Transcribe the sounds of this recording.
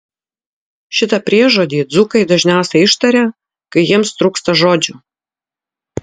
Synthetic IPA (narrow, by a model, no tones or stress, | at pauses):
ʃʲɪt̪ɐpʲɾʲiɛʒoːd̪ʲiːd̪zukɐɪd̪ɐʒʲnʲæˑʊsʲɛɪʃt̪ɐɾʲe | kɐɪjiɛmst̪ɾuːkst̪ɐʒoːd͡ʒʲʊ